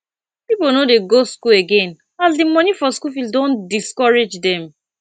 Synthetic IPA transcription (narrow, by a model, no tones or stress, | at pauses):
piponodeɡoskuleɡẽn | asdimɔ̃nifɔskufildõndiskɔɹed͡ʒdɛ̃m